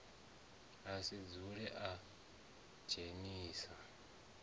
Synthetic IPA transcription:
asid͡zuɺɛʔa | t͡ʃʰeniːsa

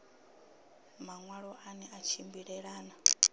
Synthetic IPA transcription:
maŋwaɺɔʔanɛʔat͡ʃʰimbiɺɛɺaːna

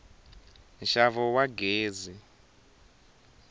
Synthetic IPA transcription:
nʃavɔwaɡeːzi

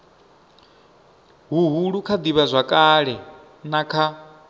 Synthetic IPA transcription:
ɦuɦuɺukʰad̪iβazʷakʼaɺɛ | nakʰa

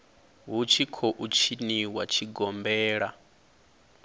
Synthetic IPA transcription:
ɦut͡ʃʰikʰɔʔut͡ʃʰiniwat͡ʃʰiɡɔmbɛːɺa

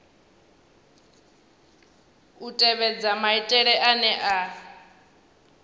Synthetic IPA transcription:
utʼɛβɛd͡zamaitʼɛɺɛʔanɛʔa

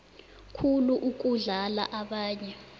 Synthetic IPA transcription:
kʰuluʔuk̬ʼuɮala̰ʔaɓaːɲɛ

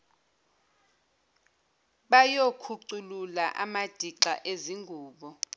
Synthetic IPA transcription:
ɓajokʰuǀululaʔa̰mad̥ʱiǀa̰ʔeziŋɡʱuːɓɔ

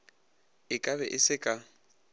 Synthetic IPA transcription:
ɪkʼabɛʔɪsɪkʼa

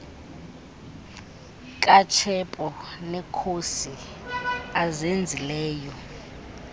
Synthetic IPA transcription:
kʼat͡ʃʰɛpʼɔnɛkʰosi | azend͡zʱilɛːjɔ

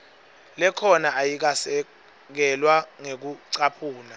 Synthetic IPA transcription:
lɛkʰɔnaʔajik̬asɛ | k̬ɛlwaŋek̬uǀapʰuːna

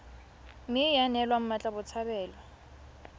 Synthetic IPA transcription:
mɪjanɛlwam̩mat͡ɬʼabʊt͡sʰabɛːlwa

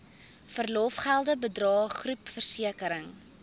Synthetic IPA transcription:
fərlɔfχælˠdəbədrɑːχrupfərsiəkəɾəŋ

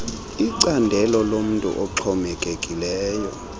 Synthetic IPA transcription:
iǀandʱɛlɔlom̩ntʼṵʔɔǁʰɔmɛkʼekʼilɛːjɔ

